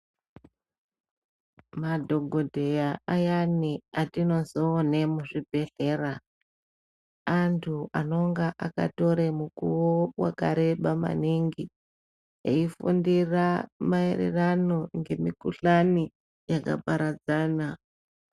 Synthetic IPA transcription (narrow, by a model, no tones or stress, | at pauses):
madʱo̞ɡʱodʱe̞jaajaniatino̞zo̞ːnemuʐibʱe̞ɬe̞ːra | antʰuano̞ŋɡaʔaka̰to̞ɾemukuwowa̰kaɾe̞ɓama̰niŋɡi | eifundiramae̞rḛrano̞ŋɡe̞mikuɬani | jaka̰paɾad͡zaːna